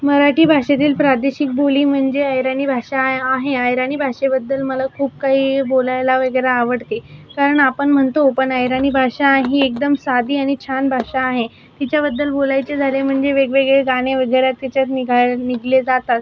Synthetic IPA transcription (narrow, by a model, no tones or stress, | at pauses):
məɾaʈiːbʱaʂet̪̬iːlpɾad̪eɕik̚boliːm̤əɳd͡zeajɾañiːbʱaɕaːɦeajɾañiːbʱaʂebəd̪ːəlməlakʰuːp̚kaɦiːbolajlaʋəɡəɾaːʋəɽt̪ekaɾəɳapəɳm̤əɳt̪opəɳajɾañiːbʱaʂaɦiek̚d̪əmsad̪ʱiːaɽ̃it͡ɕʰanbʱaɕaːɦe | t̪it͡ɕjabəd̪ːəlbolajt͡sed͡zʱalem̤əɳd͡zeʋeɡʋɭeɡɭeɡaɽ̃eʋəɡəɾjat̪kat͡ɕjat̪niɡʱaniɡled͡zat̪at̪